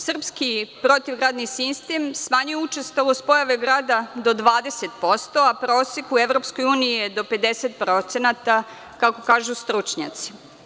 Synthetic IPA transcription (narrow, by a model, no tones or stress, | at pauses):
sr̩pskipɾo̞t̪iʋɡɾaːd̪nisist̪emsmaɲujeut͡ʃest̪olospo̞jaʋeɡɾaːd̪ad̪o̞d̪ʋaːd̪eset̪po̞st̪o̞apɾoːsekueʋvɾo̞psko̞juːniijed̪o̞pe̞d̪eset̪̚pɾo̞t̪senat̪a | kako̞kaːʒust̪ɾut͡ʃɲa̰t̪si̥